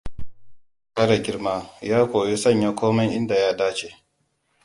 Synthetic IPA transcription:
kɐ˦ɽa˨ɡʲɪ˦ɾmaː˦jaː˦kʷoː˨ji˦sɐ˦˨ɲja˦kʷoː˦mɛ˦ŋʔɪ˦nda˨jaː˦daː˦t͡ʃe˨

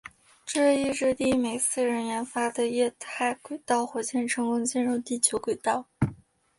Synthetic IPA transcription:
ʈ͡ʂɤ˥˧i˥˧ʈ͡ʂɻ̩˥˧t̪i˥˩me˨˩ɪt͡sʰɹ̩˥˩ɻə˧˥nɥɛ˧˥nfa˥d̪ə˨jɛ˥˧t̪ʰa˥˩ɪkwe˨˩ɪt̪ɑ˥˩ʊxwɔ˧˩t͡ɕjɛ˥˩nʈ͡ʂʰɤ˧˥ŋkʊ˥ŋt͡ɕi˥˧nɻʊ˥˧ŋt̪i˥˩t͡ɕʰjo˧˥ʊkwe˨˩ɪt̪ɑ˥˩ʊ

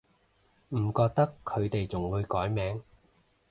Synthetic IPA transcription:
m̩˨˩kɔː˧k̚t̪ɐ˥kʰːɵ˨˧ɥt̪e˨jt͡sʊ˨˩ŋwuː˨˧ɥkɔː˨˥jmɛː˨˥ŋ

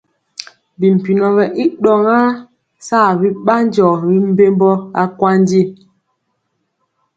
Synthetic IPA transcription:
bi˨m̩˨pi˨nɔ˨bɛ˨ʔi˦ɗɔ˨ŋa˦ | sa˦˨bi˦ɓa˦n˦d͡ʒɔ˨ɾi˦m̩˦be˦mbɔ˦a˦kwa˦n˦di˦˨

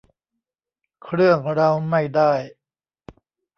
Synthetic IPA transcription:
kʰɾɯ˥˩əŋɾa˧wma˥˩jda˥˩j

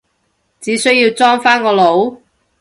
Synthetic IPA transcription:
t͡siː˨˥sɵ˥ɥjiː˧wt͡sɔː˥ŋfaː˥nkɔː˧lo˨˥w

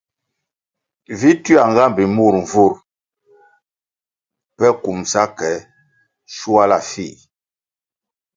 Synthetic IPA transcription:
vi˦tɥa˨ŋɡa˦mbi˨mu˦˨ɾɱ˨vu˦˨ɾ | pɛ˦ku˨msa˦kɛ˨˦ | ʃu˦a˦la˨fi˦˨

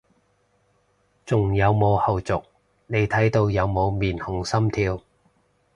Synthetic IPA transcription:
t͡sʊ˨˩ŋjɐ˨˧wmo˨˧whɐ˨wt͡sʊ˨k̚ | ne˨˧jt̪ʰɐ˨˥jt̪o˧wjɐ˨˧wmo˨˧wmiː˨˩nhʊ˨˥ŋsɐ˥mt̪ʰiː˧w

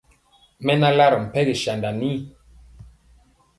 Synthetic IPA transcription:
mɛ˦na˦la˦ɾm̩˨pɛ˦ɣi˨ʃa˨nda˨ni˦˨

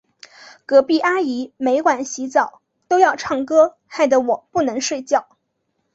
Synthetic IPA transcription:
kɤ˧˥pi˥˩ʔa˥i˧˥me˧˥ɪkwa˨˩nɕi˧˥t͡sɑ˨˩˦ʊ | t̪o˥ʊjɑ˥˧ʊʈ͡ʂʰɑ˥˩ŋkɤ˥ | xa˥˩ɪd̪ə˩wɔ˨˩pu˥˩nɤ˧˥ŋʂwe˥˧ɪt͡ɕjɑ˥˩ʊ

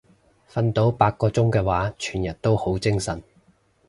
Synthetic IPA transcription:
fɐ˧nt̪o˨˥wpaː˧k̚kːɔː˧t͡sʊ˥ŋkɛː˧waː˨˥t͡ʃʰyː˨˩njɐ˨˩t̚t̪o˥who˨˥wt͡sɪ˥ŋsɐ˨˩n

